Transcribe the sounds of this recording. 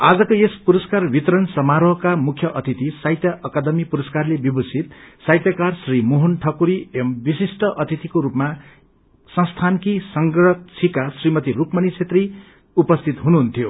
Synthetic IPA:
ad͡zʌkoespuɾʌskarbit̪ɾʌnsʌmaɾʌɦkamukʰjʌʔʌt̪it̪isajt̪jaʔʌkad̪ʌmipuɾʌskarlebibusit̪̚sajt̪jakarsrimoɦunʈʰʌkuɾiembisisʈʌʔʌt̪it̪ikoɾupma | sʌ̃st̪ʰankisʌŋɡɾʌtt͡sʰikasrimʌt̪irukmʌnit͡sʰet̪ri | upʌst̪ʰit̪ɦunuɦunt̪ʰijo

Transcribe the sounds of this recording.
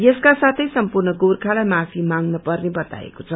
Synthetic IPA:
jeskasat̪ʰʌjsʌmpurnʌɡorkʰalajmapʰimaŋnʌpʌrnebʌt̪a̰ḛkot͡sʰʌ

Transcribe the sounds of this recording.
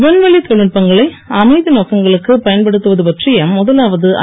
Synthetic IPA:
ʋɐnʋɐɭit̪ɔɻɪʈpɐŋɡɐɭɐɪ | ɐmɐɪðinoːkɐŋɡɐɭɯkːɯpɐjɐnpɐɽɯt̪ːɯʋɐðɯpɐʈrɪjɐmːʊðɐlaːʋɐðɯʔɐ̰

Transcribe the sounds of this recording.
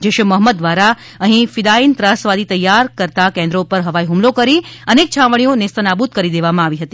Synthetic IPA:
d͡ʒeʃəməɦməd̪ːʋaɾa | əɦĩfɪd̪aint̪ɾãsʋad̪it̪əjːaɾkəɾt̪akɛ̃nd̪ɾopəɾɦəʋaiɦumlokəɾiənek̚t͡ʃʰãʋəɽ̃ionest̪ənabut̪̚kəɾid̪eʋamãaʋiɦət̪i̥

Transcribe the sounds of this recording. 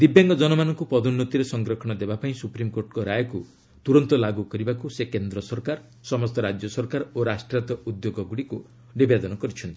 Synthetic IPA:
d̪ibjaŋɡɔd͡ʒɔnɔmanɔŋkupɔd̪unːɔt̪iɾesɔŋɡɾɔkʰɔɽ̃ɔd̪ebapaĩsupɾimkoɾʈkɔɾajɔku | t̪uɾɔnt̪ɔlaɡukɔɾibakusekend̪ɾɔsɔɾkaɾ | sɔmɔst̪ɔɾad͡ʒjɔsɔɾkaɾoɾasʈɾat̪ɔud̪joɡɔɡuɽiku | bibed̪ɔnɔkɔɾit͡ʃʰɔnt̪ii

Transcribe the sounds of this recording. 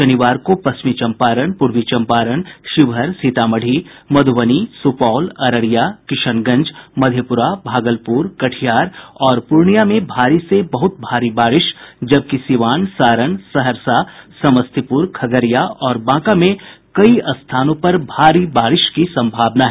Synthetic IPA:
ʃɐnɪʋaːɾkopɐsmit͡ʃɐ̃mpaːɾəɳpʊɾʋit͡ʃɐ̃mpaːɾəɳʃɪʋɦəɾsit̪aːməɽ̤ʱimɐd̪ʱʊʋənisupaːlɐɾəɾijakɪʃənɡɐ̃ɲd͡ʒmɐd̪ʱjəpʊɾabʱaːɡəlpuːɾkɐʈʰjaːɾɔːɾpʊɾɳijamẽbʱaːɾisebɐɦʊt̪̚bʱaːɾibaːɾɪʃd͡ʒɐb̚kisiʋaːnsaːɾəɳsɐɦəɾsasɐməst̪ʰipʊɾkʰɐɡəɾijaɔːɾbãːkamẽkɐiɐst̪ʰaːnõpɐɾbʱaːɾibaːɾɪʃkisɐ̃mbʱaːbnaɦɛ

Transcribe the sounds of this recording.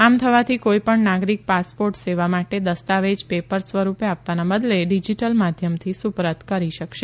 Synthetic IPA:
amt̪ʰəʋat̪ʰikoipəɳnaɡɾik̚paspoɾʈseʋamaʈed̪əst̪aʋed͡ʒpepəɾsʋəɾupeap̚t̪anabəd̪leɖid͡ʒiʈəlmad̪ʱjəmt̪ʰisupɾət̪kəɾiʃəkʃe

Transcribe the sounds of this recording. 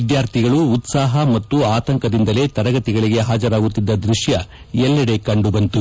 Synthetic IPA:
id̪jaːɾt̪ʰiɡɐɭuːt̪saːɦɐmɐt̪ːuaːt̪ɐŋkɐd̪ind̪ɐle̞ːt̪ɐɾɐɡɐt̪iɡɐɭiɡe̞ɦaːd͡ʒɐɾaːɡut̪ːid̪ːɐd̪ɾuʃjɐ | jɛlːɐɽe̞kɐɳɖubɐnt̪u

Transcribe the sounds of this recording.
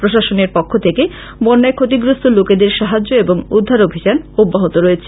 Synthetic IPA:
pɾoʃaʃoneɾpɔkʰːot̪ʰeke | bɔɾnːaekʰot̪iɡɾost̪ʰoloked̪eɾʃaɦad͡ʑːoeboŋud̪ʱːaɾobʱid͡ʑanubːaɦot̪oɾojet͡ɕʰe

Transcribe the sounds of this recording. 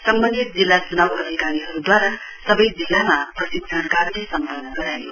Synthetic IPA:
sʌmbʌnd̪it̪̚d͡zilːat͡sunawɦʌɾikaɾiɦʌɾud̪waɾa | sʌbʌjd͡zilːamaprʌsibd͡zʱankarlesʌmpʌnːʌɡʌɾajo

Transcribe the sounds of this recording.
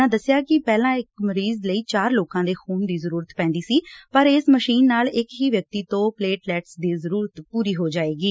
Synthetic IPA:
ãːd̪əsːjaːkɪpɛːlãːɪkməɾiːzləiːt͡ʃaːɾloːkãːd̪eːxʰuːnd̪iːzəɾuːɾət̪pɛ̃ːnd̪iːsiːpəɾeːsməʃiːnːaːlɪkɦiːʋjək̚t̪iːt̪õːpleːʈlɛːʈsd̪iːzəɾuːɾət̪puːɾiːɦoːd͡ʒaːeːɡiː

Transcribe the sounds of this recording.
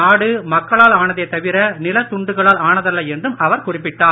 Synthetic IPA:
aːɽɯmɐkːɐɭaːlaːɳɐðeːt̪ɐʋɪɾɐnɪlɐt̪ʊɳɖɯɣɐɭaːlaːɳɐðɐlːɐɛndrɯmɐʋɐɾkʊrɪpːɪʈːaː

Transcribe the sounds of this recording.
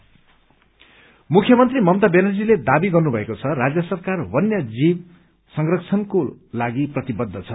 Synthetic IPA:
mukʰjʌmʌnt̪rimʌmt̪abenʌrd͡ziled̪abiɡʌrnubʱʌekot͡sʰʌrad͡zjʌsʌrkarwʌnjʌd͡zib | sʌŋɡrʌkt͡sʰʌnkolaɡiprʌt̪ibʌd̪ʱːʌt͡sʰʌ

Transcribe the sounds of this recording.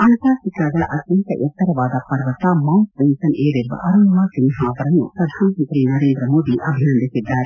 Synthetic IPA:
ɐnɐk̪aːsɪk̪ɾaːɡɐɭʔɐd̪jɐnt̪ɐ̰ʔɛt̪ːɐɾɐʋaːd̪ɐpɐɾʋɐt̪ːamɐwnsʋensɐneːɾɪɾʋɐ̰ʔɐɾɐnɐmaːk̪ɪnɦaːʋɐɾɐnṵpɾɐd̪ʱaːnɐmɐnt̪ɾinɐɾeːnd̪ɾɐmoːd̪iʔɐbʱiɾɐnd̪ɪsɪd̪ːaːɾ

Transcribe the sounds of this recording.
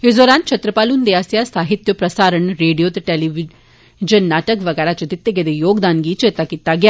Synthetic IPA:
esd̪ɔːɾaːnt͡ʃʰɐt̪ɾəpaːlund̪eaːsjaːsaːɦɪt̪jopɾɐsaːɾəɳɾeːɖijoːt̪ɐʈeːliʋi | d͡ʒɐnːaːʈəkʋɐɡɛːɾat͡ʃɐt̪it̪ːeɡed̪ejoːɡd̪aːnɡiːt͡ʃeːt̪akit̪ːaɡjaː

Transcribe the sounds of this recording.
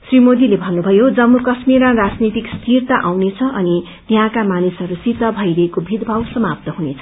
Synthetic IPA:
srimod̪ilebʱʌnːubʱʌjod͡zʌmːukʌsmiɾãrad͡znit̪ikst̪ʰirt̪aʔawnet͡sʰʌʔʌni | t̪iɦãkamanisʌɾusit̪ʌbʱʌjɾʌekobʱid̪ʱbʱawsʌmap̚t̪ʌɦunet͡sʰʌ̥

